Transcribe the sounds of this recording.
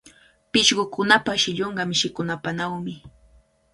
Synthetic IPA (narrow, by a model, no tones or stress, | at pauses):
pɪʃɢʊkʊnapaʃɪʎoɴɢɑmɪʃɪkʊnapanawmɪ